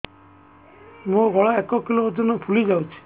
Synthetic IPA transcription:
mõɡʱɔɭaekɔkilood̪inɔpʰulid͡ʒawt͡ʃʰi̥

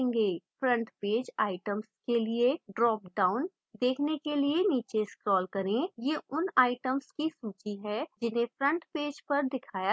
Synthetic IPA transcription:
ɪ̃ŋɡefɾə̃ɳʈpeːd͡ʒaːɪʈəmskelieɖɾɔːp̚ɖaːʊn | d̪eːkʰnekelieniːt͡ʃeɪskɾɔːlkɐɾẽjeːʊnaːɪʈəmskisuːt͡ʃiɦɛd͡ʒɪnɦẽfɾə̃ɳʈpeːd͡ʒpɐɾd̪ɪkʰaːja

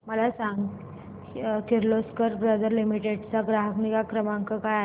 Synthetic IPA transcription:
məlasaŋɡ | kiɾloskəɾbɾəd̪əɾlimiʈeɖt͡saɡɾaɦəknikakɾəmaŋkəkaja

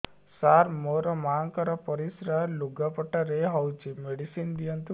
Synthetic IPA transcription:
saɾmoɾɔmaŋkɔɾɔpɔɾisɾaluɡapɔʈaɾeɦɔwt͡ʃʰimeɽisind̪ijɔnt̪u

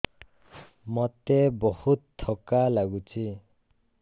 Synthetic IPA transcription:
mɔt̪ebɔhut̪ʰːɔkalaɡut͡ʃʰi

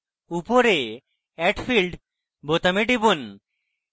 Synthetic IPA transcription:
upoɾe | ɛʈpʰilɖ | bot̪ameʈibun

